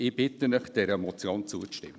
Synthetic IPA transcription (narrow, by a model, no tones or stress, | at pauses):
ɪb̥ɪt̪ənəχd̥ɛɾəmɔt͡sjoːnt͡suət͡stɪ̰mːə